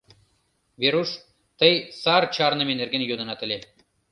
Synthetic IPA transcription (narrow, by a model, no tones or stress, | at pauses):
veɾuʃ | t̪əjsɑrt͡ɕɑrnɤ̆menerɡenjod̪ɤ̆nɑt̪ə̆lʲe